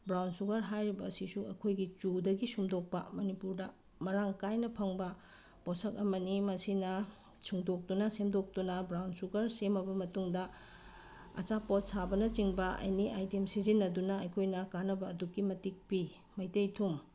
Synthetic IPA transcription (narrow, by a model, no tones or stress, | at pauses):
bɾawnsuɡɐɾɦajɾibɐːsisuɐkʰojɡit͡ʃudɐɡisumdok̚pɐ̰mɐnipuɾdɐ | mɐɾaŋkajnɐpʰɐŋbɐ | posɐkɐmɐnimɐsinɐ | suŋdok̚tunɐsemdok̚tunɐbɾawnsuɡɐɾsemɐbɐmɐtuŋdɐ | ɐ̰t͡ʃapot̚sabɐnɐt͡ʃiŋbɐʔɐ̰jniʔa̰jtemsizinːɐdunɐɐjkʰojnɐkanɐbɐːdukːimɐtik̚pi | mɐjtejtʰum